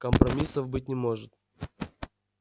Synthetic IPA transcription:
kəmpɾɐmʲisəvbɨt̚ʲnʲɪmo̞ʐɨt̪

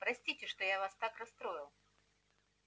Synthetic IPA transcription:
pɾɐsʲtʲitʲɪʂt̪ojavast̪akrɐst̪ɾo̞ɪlˠ

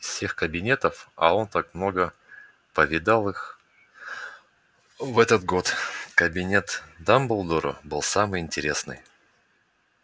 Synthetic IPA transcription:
fsʲexkəbʲɪnʲe̞t̪əfɐ̰o̞nt̪akmno̞ɡə | pəvʲɪd̪alˠɨx | vɛt̪ət̪ɡo̞t̪kəbʲɪnʲe̞t̪d̪ambʊlˠd̪oɾʊ̰bɨlˠsamɨjɪnʲtʲɪɾʲe̞snɨ̰j

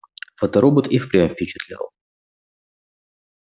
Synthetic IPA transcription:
fət̪ɐɾobət̪ifpɾʲɛmfʲpʲɪt͡ɕɪt̪lʲa̰lˠ

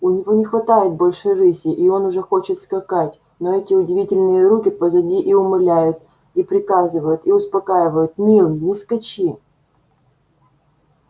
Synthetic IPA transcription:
ʊnʲɪvo̞nʲɪxvɐt̪ajɪt̪̚bolʲʂɨrɨsʲɪʔio̞nʊʐɛxo̞t͡ɕɪt̪skɐkatʲ | noɛtʲɪʊdʲɪvʲitʲɪlʲnɨjəɾukʲɪpəzɐdʲiʔiʊmɨlʲæjʊt̪ | ipɾʲɪkazɨvəjʊt̪iʊspɐkajɪvəjʊt̪mʲilˠɨjnʲɪskɐt͡ɕi

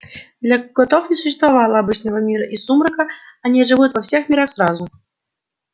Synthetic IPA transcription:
d̪lʲaɡɔt̪ofnʲɪsʊɕːɪst̪vavalˠəabɨt͡ɕnəvəmʲiɾəʔisumɾəkəanʲiʐɨvut̪vɐwsʲɛxmʲiɾaxsrazu

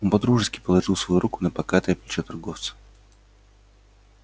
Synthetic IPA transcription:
onpɐd̪ɾuʐɨskʲɪpəlˠɐʐɨlˠsvɐjuɾʔukʊnəpɐkat̪ɨɐplʲɪt͡ɕɛt̪ɐrɡoft̪sə̥

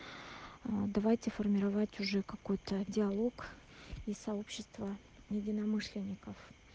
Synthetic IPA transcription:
d̪ɐvajtʲɪfərmʲɪɾɐvatʲʊʐɛkɐko̞jt̪ədʲɪɐlˠo̞k | isɐo̞pɕːɪst̪və | jɪdʲɪnɐmɨʂlʲɪnʲːɪkəf

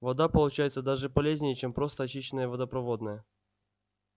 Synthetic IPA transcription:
vɐd̪apəlˠʊt͡ɕæjɪt̪səd̪aʐɨpɐlʲezʲnʲɪjɪt͡ɕe̞mpɾo̞st̪əɐt͡ɕiɕːɪnəjəvɐd̪əpɾɐvo̞d̪nəjə

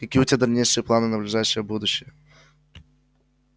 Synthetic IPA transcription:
ɪkʲutʲəd̪ɐlʲnʲejʂɨjəplˠanɨnəblʲʊʐaɕːɪjəbud̪ʊɕːɪjə

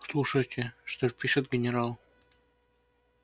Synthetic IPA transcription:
slˠuʂɐt̪ʲĕʂt̪opʲiʃɘ̆t̪̚ɡʲenʲeɾɑlˠ

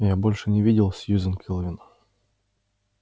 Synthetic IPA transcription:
jabolʲʂɨnʲɪvʲidʲɪlˠsʲjuzʲɪnkʲʰɪlˠəvʲɪnə

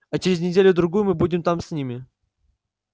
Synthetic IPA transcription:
ɐt͡ɕɪɾʲɪzʲnʲɪdʲelʲʊd̪ɾʊɡujʊmɨbudʲɪmt̪amsʲnʲimʲɪ

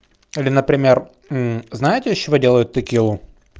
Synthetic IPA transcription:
ilʲɪnəpɾʲɪmʲer̩ | znajɪtʲɪjɪɕːɪvodʲe̞lˠəjʊt̪ːɐkʲijɛu

